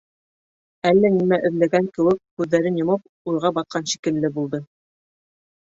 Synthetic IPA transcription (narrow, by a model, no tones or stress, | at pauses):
ælːænimæʔɵ̆ðlæɡæŋkɘ̆wɘk̚hʉðːæɾɘnjŏmɤp̚ | ujʁɑbɑt̪̚qʰɑnʃi̥kɘ̆lːɘbulˠd̪ɤ